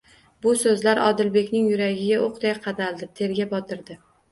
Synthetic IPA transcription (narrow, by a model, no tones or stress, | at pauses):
bʊsɵzlaɾɒ̰d̪ɪlbe̞kʲnɪŋjʊɾaɡʲɪɡʲaʔoqd̪ajqʰɑd̪alˠd̪ɪt̪ʰe̞ɾɡʲabɒt̪ʰɪɾd̪ɪ